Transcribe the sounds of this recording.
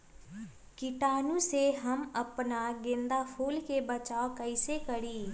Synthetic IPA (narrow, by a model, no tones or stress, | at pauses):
kɪʈaːnũːseːɦəməpnaːɡɪ̃nd̪aːpʰuːlkeːbət͡ʃaːokəiseːkəɽiː